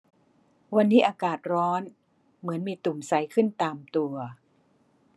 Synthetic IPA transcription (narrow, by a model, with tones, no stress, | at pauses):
wa˧nːiː˦˥ʔaː˧kaː˨˩t̪̚ɾɔː˦˥n | mɯ˩˦ənmiː˧t̪u˨˩msa˩˦jkʰɯ˥˩nt̪aː˧mt̪u˧ɐ